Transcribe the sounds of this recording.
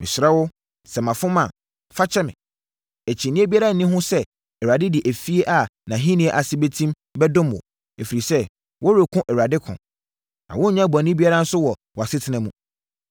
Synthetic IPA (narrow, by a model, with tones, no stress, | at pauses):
mɪ̰̃˨sɾa˦wʊ˦ | sɛ˨mã˨fʊ̃˦mã˨ | fa˦t͡ɕʰɛ˦mɪ̰̃˨ | æ˨t͡ɕʰi˨nɪ̃˦e˦bi˦a˦ɾa˦n̩˨nĩ˦ɦʊ̃˦sɛ˦ | ɛ˨ɾa˨dɪ˦dɪ˨ʔæ˨fi˦e˦ʔa˨nã˨ɦĩ˦nĩ˦ɛ˦ʔa˨sɪ˦be˦tʰĩ˦m | bɛ˦dʊ̃˦m˨wɔ̰˨ | e˨fi˨ɾi˨sɛ˦ | wɔ˦ɾe˨kʰʊ̃˦ʔɛ˨ɾa˨dɪ˦kʰʊ̰̃˨ | nã̰˨wʊ̃˦˨ɲã˦˨ba˨nĩ˦bi˦a˦ɾã˦n̩˦sʊ˦wɔ˨wɔ˨a˨sɪ˦tʰɪ˨nã˨˦mũ˦